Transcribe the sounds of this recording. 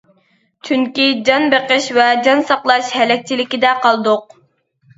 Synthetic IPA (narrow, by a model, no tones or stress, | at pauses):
t͡ʃʰyŋkʲid͡ʒɑnbeqəʃvɛd͡ʒɑnsɑqlˠɑʃhɛlɛk̚ʲt͡ʃʰilɪkʲid̪ɛqʰɑlˠd̪ʊq̚